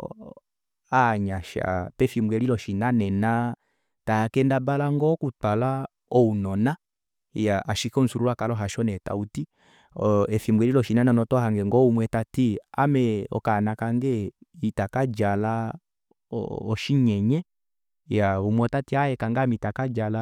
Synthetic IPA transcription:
aɲaʃa̰pɛfimbwɛlilɔʃinanɛna | takɛndabalaŋɡɔkutala | ɔunɔna | jaʔaʃikɔn̩suɾulakalɔɦaʃɔnɛta̰uti | ɔɛfimbwɛɾilɔʃinanɛnɔtɔhaŋɡɛŋɡɔumwɛtatia̰mɛɔ̰kanakaŋɡɛitakad͡ʒala̰ | ɔʃiɲɛɲɛ | jaumwɛtatiajɛkaŋɡamitakad͡ʒala

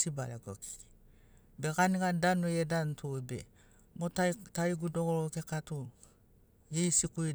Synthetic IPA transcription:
sibaleko̰ki̥ | bekanikadanojedantobḛ | motataiɡudoɡolokekatu | jeisikui

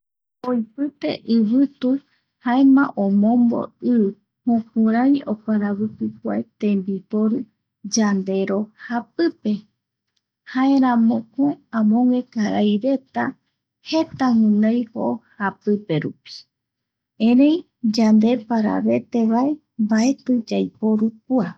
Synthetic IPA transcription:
ojpɨt̪e̞̰ʔɨβɨt̪u | haemã̰ʔõmõ̞mbo̞̰ɨ | hũkũɾ̃ãjokaɾaβɨpɨk̚ʷaet̪ẽ̞mbipoɾɨ | d͡ʒand̪e̞ɾo̞hapɨpe̞ | haẽɾãmõkoeãmõŋẽkaɾajɾe̞t̪a | he̞t̪ahũnajhoʔohapɨpe̞ɾṵpi̥ | ẽɾẽ̞j | d͡ʒand̪e̞paɾa̰βe̞t̪eβae̞ | mbaet̪ɨd͡ʒajpoɾuk̚ua

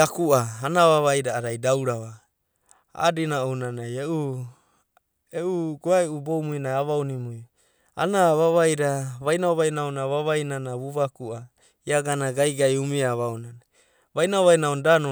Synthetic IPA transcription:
akuaːnaβaβajɾaːɾajdawɾaβa | a̰ːdinaownanajeʔu | euɡoaeʔubomujnaaβawnimuj | a̰naβaβajɾaβajnaoβajnaonaβaβajnanaβuβakua | iaɡanaɡajɡajumiaβaonana | βajnaoβajnaondano

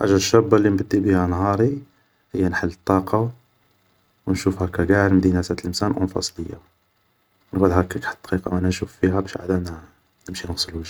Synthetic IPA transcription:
ʔa̰ʒæʃːæbːalːinbəd̪ːibihænɦɑɾˤi | həjːænħəlːət̪ˤːɑqʰɑ | wnʃufhækæɡæʕɾmd̪inæsæt̪əlʔəmsænʔʊ̰nfɑ̰sˤləjːa̰ | wnɡæd̪hækækħt̪ːqiqɑʔænænʃufːiɦæbæʃa̰d̪æ | nəmʃinəɣsˤəlwəʒ

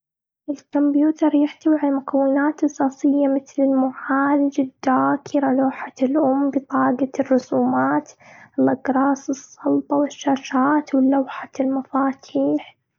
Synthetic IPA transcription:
ʔɪlkʊmbjuːt̪ɑɾˤjɪħt̪awiʕalamʊkʰawːɪnaːt̪ʔɑsˤɑːsˤɪjːamɪt̪lɪlmʊʕaːlɪd͡ʒad̪ːaːkʰɪɾaloːħalʔʊmːbɪt̪ˤɑːɡarˤːʊsuːmaːt̪ɪlʔɪɡɾˤɑːsɨsˤːɑlt̪ˤɑwɪʃːaːʃaːt̪wɪlːawħalmafaːt̪ʰiːħ

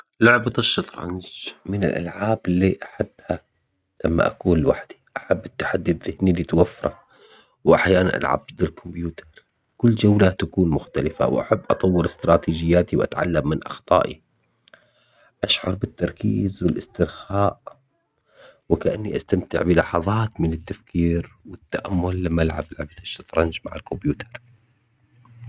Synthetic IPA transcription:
lʊʕbɑt̪ˤɨʃːɑt̪ˤɾˤʕa̰nd͡ʒmɪnɪ̰lʔa̰lʕaːbɪlːiʔaħabːha | lamːa̰ʔa̰kuːnlwaħd̪̥i̥ʔaħabːɪt̪ːḁħad̪ːibðɪhnilit̪wafːɑɾˤɑ | wʔaħjaːnanʔa̰lʕa̰b̚d̪ɪlkʊmbjuːt̪ɑɾˤ | kʊlːd͡ʒawlat̪akuːnmʊxt̪alɪfa̰wʔa̰ħabːʔɑt̪ˤɑwːɪɾɪst̪ɾˤɑːt̪iːd͡ʒɪjːaːt̪iwʔa̰t̪ʕa̰lːamːɪnʔɑxt̪ˤɑ̰ːʔḭ | ʔaʃʕɑ̰ɾˤbɪt̪ːɑɾˤkiːzwɪlʔɪst̪ɪɾxaːʔ | wɪkaʔanːiʔast̪amt̪ɪ̰ʕbɪlɑħɑðˤɑːt̪mɪnɪt̪ːafkiːɾwɪt̪ːaʔamːʊlːamːaʔalʕa̰bɪlʕabt̪aʃːɑt̪ɾˤɑnd͡ʒmaʕɪlkʊmbjuːt̪ɑɾˤ

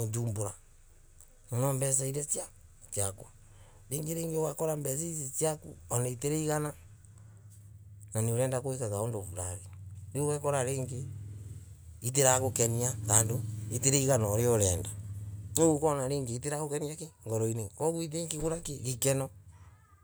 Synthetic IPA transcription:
otuːmboɾa | nonɔːmbɛs̬aiɾet͡sia | t͡ʃiakwa | ɾeːŋɡeɾeːŋɡeowakoɾambɛs̬izit͡siakṵoneiteɾeiɣana | nanioɾɛːndakoekakaondoβuɾaɾeniowɛkoɾaɾeːŋɡe | it̬eɾakokeniakaːndoiteɾeiɣanaɾeoɾɛːndaoɣukɔnaɾeːŋɡeiteɾakokeniakeŋɡɔɾoinekɔɣwit̬eŋkeɣuɾakeɣikenɔ

